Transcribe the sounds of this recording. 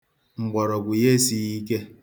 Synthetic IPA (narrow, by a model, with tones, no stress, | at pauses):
ŋ͡m̩˨ɡ͡bɔ˨ɾɔ˨ɡʷu˨je˦si˨ɣi˦ke˦